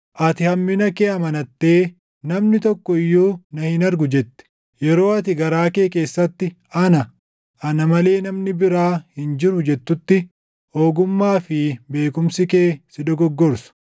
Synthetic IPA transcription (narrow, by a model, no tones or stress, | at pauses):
ʔɐt̪ɪhɐmːɪnɐkeːɐmɐnɐt̪ːe̞ː | nɐmnɪt̪ɔkːɔɪjːoːnɐhɪnɐɾɡʊd͡ʒɛt̪ːɛ̥ | jɛɾo̞ːɐt̪ɪɡɐɾaːkeːke̞ːsːɐt̪ːɪ | ɐnɐ | ʔɐnɐmɐle̞ːnɐmnɪbɪɾaːhɪnd͡ʒɪɾʊd͡ʒɛt̪ːʊt̪ːɪ | oːɡʊmːaːfɪbe̞ːkʊmsɪke̞ːsɪd̪ɔɡɔɡːɔɾsʊ̥